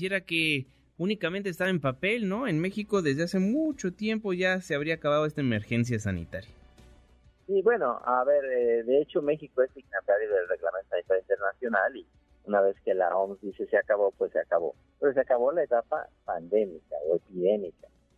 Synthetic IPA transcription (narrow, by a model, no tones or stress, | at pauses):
jeɾake | unikamẽnt̪̬est̪aβaempape̞lno̞enme̞xiko̞ðe̞zðease̞mut͡ʃo̞t̪je̞mpo̞ʝaseaβɾiaːkaβaðoest̪aeme̞ɾxe̞ns̬jas̬anḭt̪aɾja | siβwe̞no̞̰aβe̞ɾeðe̞et͡ʃo̞me̞xikoesiɣnat̪aɾjoðelreɣlament̪osanit̪aɾjoint̪eɾnasjo̞nali | unaβe̞ske̞la̰omzd̪ise̞seakaβo̞pwesːeakaβo̞̰ | peɾos̬eakaβo̞lae̞t̪apa̰pand̪e̞mikaepiðe̞mika